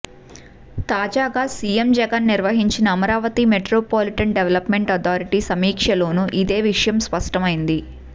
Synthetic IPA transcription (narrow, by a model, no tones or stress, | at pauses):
t̪aːd͡ʒaːɡaːsijemd͡ʒɛɡɐnːiɾʋɐɦiɲt͡ʃinɐːmɐɾaːʋɐt̪imeʈɾoːpoːliʈɐɳɖeʋɐlɐpme̞ɳʈɐt̪ʰaːɾiʈisɐmiːkʂɐlo̞ːnuʔid̪e̞ːʋiʂɐjɐmspɐʂʈɐmɐjind̪i